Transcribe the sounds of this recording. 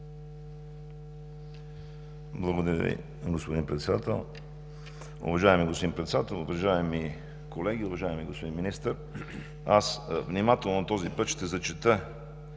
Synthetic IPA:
blˠɐɡod̪ɐɾʲə̰vḭ | ɡospod̪inpɾɛt̪sɛd̪at̪ɛlˠ | ʊ̰vɐʒaɛmiɡospoinpɾɛt̪sɛd̪at̪ɛlˠʊvɐʒaɛmi | kolɛɡ̟iʊvɐʒaɛmiɡospod̪inminist̪əɾ | asvnimat̪ɛlˠnot̪ɔzipət̪ʃt̪ɛzɐt͡ʃɛt̪ə

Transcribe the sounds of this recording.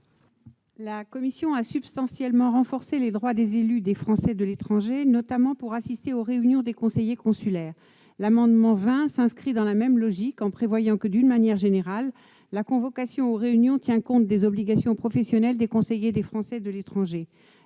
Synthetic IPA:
lakɔmisjɔ̃asybst̪ɑ̃sjɛlmɑ̃ʁɑ̃fɔʁseled̪ʁwad̪ezelyd̪efχɑ̃sɛd̪əlet̪χɑ̃ʒenɔt̪amɑ̃puʁasist̪eoʁeynjɔ̃d̪ekɔ̃sejekɔ̃sylɛːʁ | lamɑ̃d̪mɑ̃vɛ̃sɛ̃skχid̪ɑ̃lamɛmlɔʒikɑ̃pχevwajɑ̃kəd̪ynmanjɛʁʒeneʁalː | akɔ̃vɔkasjɔ̃oʁeynjɔ̃t̪jɛ̃kɔ̃t̪̚d̪ezɔbliɡasjɔ̃pχɔfɛsjɔnɛld̪ekɔ̃sejed̪efχɑ̃sɛd̪əlet̪χɑ̃ʒe

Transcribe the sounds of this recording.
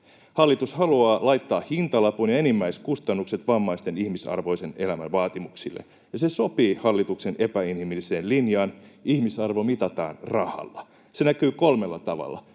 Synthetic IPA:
hɑlːit̪ushɑluɑːlɑjt̪ːɑːhhint̪ɑlɑpunjɑenimːæiskust̪ɑnːukset̪ʋɑmːɑist̪e̞nihmisɑ̰rʋo̞jsene̞læmæ̰nʋɑːt̪imuksḭlːḛ | jɑseso̞piːhɑlːit̪ukse̞ne̞pæinhimilːise̞ːnlinjɑːnihmisɑrʋo̞mit̪ɑt̪ɑ̰ːnrɑhɑ̰lːɑ | se̞nækyːkolme̞lːɑt̪ɑʋɑ̰lːɑ̰

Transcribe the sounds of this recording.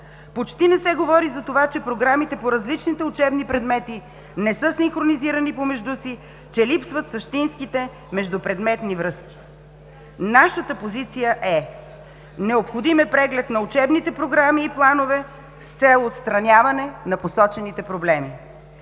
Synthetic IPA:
pot͡ʃt̪inɛsɛɡovɔɾizɐt̪ovat͡ʃɛpɾoɡɾamit̪ɛpoɾɐzlit͡ʃnit̪ɛʊt͡ʃɛbnipɾɛd̪mɛt̪i | nɛsɤsiŋxɾoniziɾənipomɛʒd̪usi | t͡ʃɛlipsvət̪sɐʃt̪inskit̪ɛ | mɛʒd̪upɾɛd̪mɛt̪nivɾɤski̥ | naʃət̪əpozit̪sijəʔɛ | nɛopxod̪imɛpɾɛɡlɛt̪nɐut͡ʃɛbnit̪ɛpɾoɡɾamiːplˠanovɛ | st̪sɛlˠot̪st̪ɾɐnʲjavɐnɛnɐposɔt͡ʃɛnit̪ɛpɾoblɛmi

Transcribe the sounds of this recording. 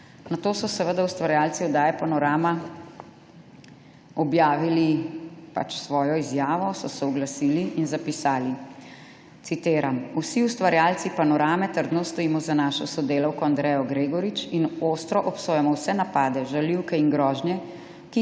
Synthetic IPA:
nat̪oːsɔsɛʋəd̪awst̪ʋaɾjalt̪siɔd̪aːjɛpanɔɾaːma | ɔbjaːʋilipa̰t͡ʃsʋɔːjɔizjaːʋɔsɔsɛɔɡlasiːliʔinzapisaːli | t̪sit̪eːɾamusiust̪ʋaɾjaːlt̪sipanɔɾaːmɛt̪əɾd̪nɔst̪ɔiːmɔzanaːʃɔsɔd̪eːlawkɔand̪ɾɛjɔɡɾeːɡɔɾit͡ʃinoːst̪ɾɔʔɔpsoːjɛmɔwsɛnapaːd̪ɛʒaliwkɛiŋɡɾɔːʒnjɛ | ki

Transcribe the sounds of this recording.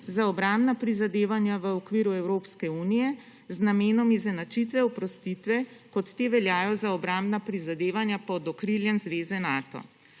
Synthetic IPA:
zaɔbɾambnapɾizad̪eːʋanjaʋəɔkʋiːɾuɛwɾoːpskɛuːnijɛ | znameːnɔmizɛnat͡ʃit̪ʋɛɔpɾɔst̪it̪ʋɛkɔt̪ːeːʋɛljaːjɔzaɔbɾambnapɾizad̪eːʋanjapɔd̪ɔkɾiljɛnzʋeːzɛnaːt̪ɔ̰

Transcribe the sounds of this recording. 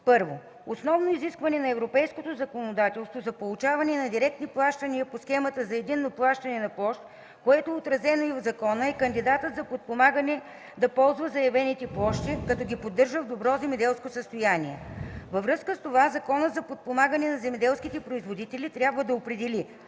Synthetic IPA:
pɤɾvo | osnɔvnoiziskvɐnɛnɐɛvɾopɛjskot̪ozɐkonod̪at̪ɛlˠst̪vozɐpolˠut͡ʃavɐnɛnɐd̪iɾɛk̚t̪niplˠaʃt̪ɐniəposxɛmət̪əzɐɛd̪inːoplˠaʃt̪ɐnɛnɐplˠɔʃt̪ | koɛt̪oot̪ɾɐzɛnoivzɐkɔnəɛkənd̪id̪at̪ət̪zɐpot̪̚pomaɡənɛ | d̪ɐpɔlˠzvəzɐjɐvɛnit̪ɛplˠɔʃt̪ikɐt̪ɔɡʲipod̪ːɤɾʒəvd̪obɾɔzɛmɛd̪ɛlˠskosəst̪ojaniɛvəvɾɤskəst̪ovazɐkɔnət̪zɐpot̪̚pomaɡənɛnɐzɛmɛd̪ɛlˠskit̪ɛpɾoizvod̪it̪ɛlit̪ɾʲabvəd̪ɐopɾɛd̪ɛli

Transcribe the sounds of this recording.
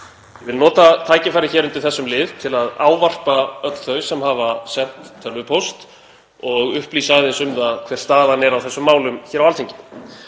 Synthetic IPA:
jvɪlnɔːt̪at̪ʰaːjcɪfajɾɪçɛɾʏnt̪ɪɾθɛsːʏmlɪvt̪ʰɪlaða̰ːwvar̥paœt̪l̥θœɥsɛmhavasɛn̥t̪ʰːœlvʏpʰowst̪ | ɔɣʏhpliːsaðɪnsʏmðaðkʰvɛr̥st̪aːðanɛɾawθɛsːʏmːaːwlʏmçɛɾawalt̪ʰeɲcɪn

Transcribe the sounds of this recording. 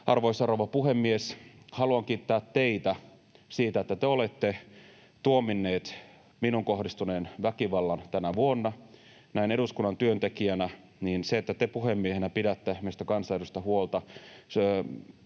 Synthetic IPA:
ɑrʋoisɑroʋɑpuɦemːieshɑluɑŋkiːt̪ːæːt̪teit̪æ | siːt̪æet̪ːæt̪eolet̪ːe | t̪uominːeːt̪ | minuŋkohdist̪uneːnʋækiʋɑlːɑnt̪ænæʋuonːɑ | næineɾuskunːɑnt̪yønt̪ekiænæ | niːnseet̪ːæt̪epuɦemːiehenæpidæt̪ːemest̪ækɑnsɑeɾust̪ɑhuolt̪ɑs

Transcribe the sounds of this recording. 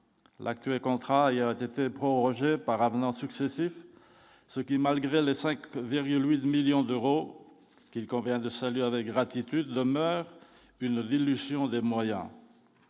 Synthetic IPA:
lʔa̰k̚t̪ɥɛlkɔ̃t̪χaiavɛt̪et̪epχɔʁɔʒepaʁavnɑ̃syksesif | səkʲimalɡʁelesɛ̃kviʁɡʲylwit̪miljɔ̃d̪øʁo | kʲilkɔ̃vjɛ̃d̪əsalɥavɛk̚ɡʁat̪it̪yd̪ːəmœːʁ | ynd̪ilːyzjɔ̃d̪emwajɛ̰̃

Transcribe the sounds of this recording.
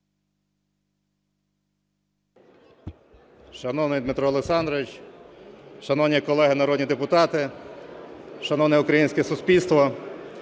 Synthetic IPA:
ʃɐnɔwnɪjd̪mɪt̪ɾɔːleksɑnd̪ɾɔʋɪt͡ʃ | ʃɐnɔwnʲikɔlˠɛɦɪnɐɾɔd̪nʲid̪epʊt̪ɑt̪ɪ | ʃɐnɔwnɛʊkɾɐjinʲsʲkɛsʊspʲilʲst̪ʋɔ

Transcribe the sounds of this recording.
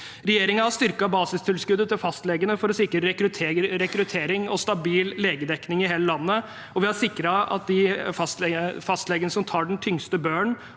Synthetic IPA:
ɾɛjeːɾɪŋənhɑst̪ʏɾkɑbɑːsɪst̪ʰɪlskʉd̪ːət̪ʰɪlfɑst̪lɛɡənəfɔɾɔsɪkːɾəɾɛkɾʉt̪ʰeːɾɛkɾʉt̪ʰeːɾɪŋɔst̪ɑbiːlːeːɡəd̪ɛknɪŋɪɦeːləlɑnːə | ɔʋɪhɑɾʂɪkːɾɑɑ̰t̪̚d̪ɪfɑst̪lɛfɑst̪lɛɡənəsɔmt̪ʰɑːɖɛn̩t̪ʰʏŋst̪əbøːɳ

